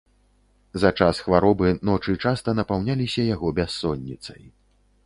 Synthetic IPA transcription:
zɐt͡ʂasxvaɾɔbɨnɔt͡ʂɨt͡ʂast̪ɐnɐpawnʲalʲisʲɐjaɣɔbʲasːɔnʲːit̪sɐj

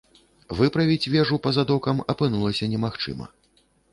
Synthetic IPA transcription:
vɨpɾɐvʲit͡sʲvʲɛʐupɐzad̪ɔkɐmɐpɨnulˠɐsʲɐnʲɛmaxt͡ʂɨ̰mɐ̰

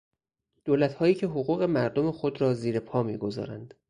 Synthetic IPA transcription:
d̪̥oːlæt̪hɒːjiːcʰe̞ɦoɣuːɣe̞mæɾd̪o̞mexo̞d̪ɾɒːziːɾe̞pʰɒːmḭːɡo̞zɒ̰ːɾænd̪̥

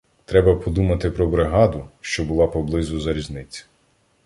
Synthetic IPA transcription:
t̪ɾɛbɐpɔd̪umɐt̪ɪpɾɔbɾɪɦɑd̪ʊʃt͡ʃɔbʊlˠɑpɔblˠɪzʊzɐɾʲiznɪt͡sʲ

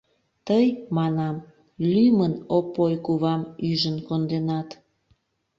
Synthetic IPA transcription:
t̪əjmɑnɑm | lymənopːojkuβɑmyʒənkond̪enɑt̪

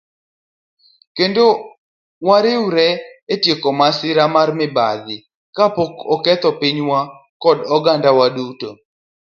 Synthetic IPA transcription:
kendo | waɾɪwɾɛetjekɔmasɪɾamarmɪba̰d̪ɪ | kapokɔkɛt̪ɔpɪɲwa | kɔdɔɡandawaduto

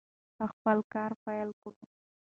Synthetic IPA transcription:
pəxpəlkɑɾpajlkun

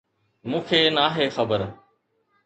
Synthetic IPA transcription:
mũːkʰeːnaːɦeːxəbəɾ

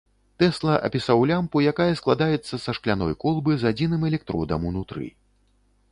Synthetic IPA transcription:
t̪ɛslˠɐʔɐ̰pʲisawlʲampujakajɐsklˠad̪ajɛt̪sːɐsɐʂklʲanɔjkɔlˠbɨzad͡zʲinɨmɛlʲɛk̚t̪ɾɔ̰d̪ɐ̰munut̪ɾɨ̰

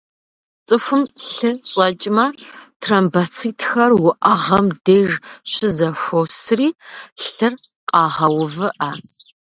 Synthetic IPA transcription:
t͡sʼɨfʷʊmɬɨɕʼɐt͡ʃʼmɐtʰrɐmbɐt͡sʰiːtʰxɐrwʊʔɐʁɐmdeːʒɕɪzɐʂʷosriːɬɨr | qʼɑːʁɐwʊvɨʔa

